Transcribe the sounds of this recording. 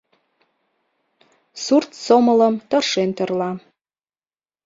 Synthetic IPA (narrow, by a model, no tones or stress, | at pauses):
surt̪somələmt̪ə̆rʃent̪ərlɑ